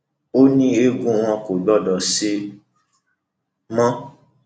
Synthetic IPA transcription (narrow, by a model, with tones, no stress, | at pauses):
o˦nĩ˦e˦ɡũ˦w̃ɔ̃˧ko˨ɡ͡bɔ˦˨dɔ˨si˧ | mã˦